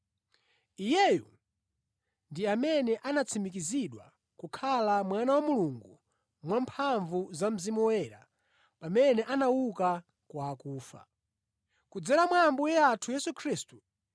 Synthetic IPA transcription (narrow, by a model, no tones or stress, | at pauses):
ijɛjṵ | ndiamɛnɛʔanat͡sʰimik̬iziɗwa | kukʰalamwanawamuluŋɡu | mwampʰaɱvuzam̩zimuwɛɾa̰ | pamɛnɛʔanawuka | kwaːkuːfa̰ | kud͡zɛɾamwambujɛatʰujɛsukʰɾiːstu